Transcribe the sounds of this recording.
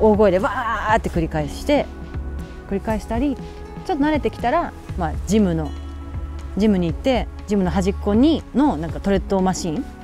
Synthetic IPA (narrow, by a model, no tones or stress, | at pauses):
o̞ːɡo̞ed̪e̞βat̪ːe̞kɯ̟ɾʲikaeɕi̥t̪e̞ | kɯ̟ɾʲikae̞ɕi̥t̪aɾʲi | t͡ɕo̞t̪ːonaɾe̞t̪e̞kʲi̥t̪aɾa | mad͡ʑimɯ̟no̞ | d͡ʑimɯ̟ɲ̟iːt̪ːe̞d͡ʑimɯ̟no̞ɦaʑikːo̞ɲ̟ino̞nãŋkat̪o̞ɾe̞t̪ːo̞maɕĩŋ